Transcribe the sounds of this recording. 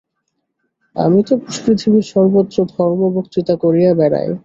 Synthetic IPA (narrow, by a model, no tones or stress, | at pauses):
a̰mit̪opɾoʃkɾit̪ʰibiɾʃɔɾbot̪ːɾod̪ʱɔɾmobokt̪it̪akoɾijabɛɾa̰j